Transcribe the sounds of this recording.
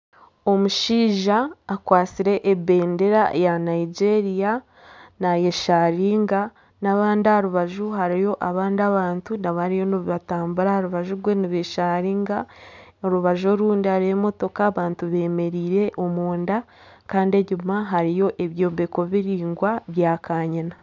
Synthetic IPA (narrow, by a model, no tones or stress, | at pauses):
o̞muʃiːʒaːkwaːt͡siɾe̞ʔebe̞ːnde̞ɾajanaid͡ʒe̞ɾija | naje̞ʃaɾiːŋɡa | naβaːndaaɾuβaʒuɦaɾijo̞ʔaβaːndaβaːntunaβaaɾijo̞noβiβataːmbuɾahaɾuβaʒuɾɡwe̞niβeʃaɾiːŋɡaoɾuβaʒoɾuːndihaɾiemo̞to̞kaːβaːntuβe̞ːme̞ɾiːɾe̞ʔo̞muːnda | kaːndeɟumaɦaɾijo̞ʔe̞βjo̞ːbeko̞βiɾiːŋɡwaβjaːkʰaːɲana